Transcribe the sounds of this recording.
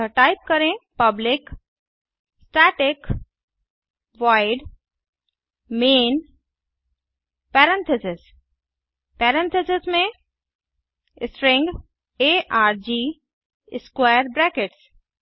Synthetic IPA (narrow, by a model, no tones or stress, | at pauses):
ʈaɪp̚kəɾẽpɐblɪk | sʈaʈɪk | ʋaɪɖ | meːn | pɛɾɛ̃nt̪ʰɪsɪs | pɛːɾɛ̃nt̪ʰesɪsmẽ | sʈɾɪ̃ŋɡ | eːʔaːɾd͡ʒiː | ɪskwaːəɾbɾɛːkɪʈs